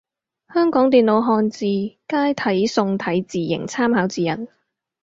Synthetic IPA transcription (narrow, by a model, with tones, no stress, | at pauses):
hœː˥ŋkɔː˨˥ŋt̪̬iː˨nlo˨˥wɦɔː˧nt͡siː˨˧kaː˥jt̪ʰɐ˨˥jsʊ˧ŋt̪ʰɐ˨˥jt͡siː˨˩jɪ̰˨˩ŋt͡sʰaː˥mɦaː˨˥wt͡siː˨˩jɐ̰˨˩n